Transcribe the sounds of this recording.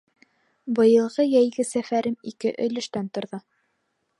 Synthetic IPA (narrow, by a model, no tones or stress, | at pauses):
bɤ̆jɤ̆lˠʁɤjæjɡɘsæfæɾɘmikɘʔɵ̆lɵ̆ʃt̪ænt̪ŏɾðɤ